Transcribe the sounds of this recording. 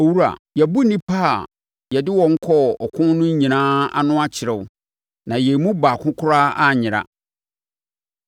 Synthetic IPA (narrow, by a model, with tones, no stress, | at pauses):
o˨wu˦ɾa̰˨jɛ˨bu˦nĩ˦pʰaː˦˨ | jɛ˨dɪ˦wɔ̃˨ŋ̩˦kʰɔ˦˨ɔ˨kʰʊ̃˦n˦nʊ̃˦ɲ˦ɲĩ˨nãː˦a̰˦nʊ̃˦a˦t͡ɕʰɪ˨ɾɛ˨wʊ˦ | nã˨jɛ˨mũ˦baː˨kʰʊ̃˦kʰʊ˦ɾa˦a˦˨ɲɪ̃˨ɾa̰˦